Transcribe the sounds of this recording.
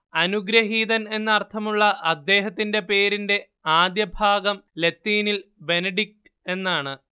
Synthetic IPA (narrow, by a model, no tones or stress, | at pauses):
ɐnuɡɾɐɦiːðɐne̞nːɨɐrt̪ʰɐmuɭːɐʔɐd̪ːe̞ːɦɐt̪ːinde̞pe̞ːɾinde̞ | aːd̪jɐbʱaːɡɐmle̞t̪ːiːnilbe̞nɐɖik̚tɨ̥e̞nːaːɳɨ